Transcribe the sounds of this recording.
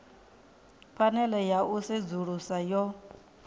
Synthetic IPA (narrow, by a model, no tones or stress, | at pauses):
fanɛlɛjaʔused͡zuɺusajɔ